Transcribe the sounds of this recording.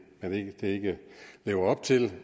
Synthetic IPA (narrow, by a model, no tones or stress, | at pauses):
mene̥d̥e̝e̝ɡ̥əle̝̰ːʊɐɒ̽b̥̚t͡sʰe̝l